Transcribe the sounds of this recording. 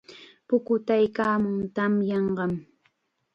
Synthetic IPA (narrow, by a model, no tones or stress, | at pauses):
pʊkʊt̪ajkaːmʊŋt̪amjɑɴɢɑm